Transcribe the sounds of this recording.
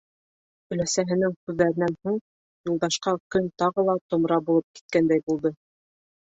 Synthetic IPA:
ɵ̆læsæɦɘ̆nɘŋkʉðːæɾɘ̆nænhuɴ | julˠd̪ɑʃqɑkɵnt̪ɑʁɤ̆lˠɑt̪ŏmɾɑbulˠɤp̚ki̥t̪̚kænd̪æjbulˠd̪ɤ

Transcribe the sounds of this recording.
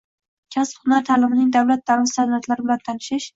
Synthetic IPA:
kʲʰaspχʊnaɾt̪ʰaːlɪmɪnɪŋd̪awlat̪̚ʰːaɾɪmst̪ad̪aɾt̪laɾɪbɪlant̪ʰanɪʃɪʃ

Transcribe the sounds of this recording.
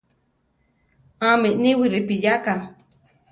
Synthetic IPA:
aminiwiɾɪpijaka

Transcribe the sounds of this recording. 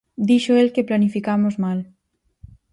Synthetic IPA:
d̪iʃoelkeplanifikamozmal

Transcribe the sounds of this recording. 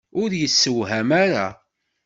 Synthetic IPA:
ʊɾjəsːəwɦæmaɾa̰

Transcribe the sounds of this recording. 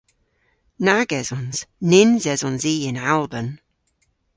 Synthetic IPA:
naɡɛzɔ̃nz̥nɪnzɛzɔ̃nziːɪ̃nalˠbən

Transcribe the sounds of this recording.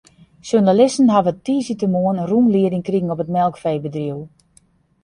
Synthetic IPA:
sjunalɪstən̩ɦavətiːzitəmoənərunliədɪŋkriɣəŋɔpətmɛlˠkfeːbədriw

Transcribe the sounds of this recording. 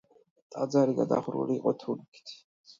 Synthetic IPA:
t̪ʼad̪zaɾiɡad̪a̰χɾṵliːqʼɔt̪ʰulkʰi̥t̪ʰ

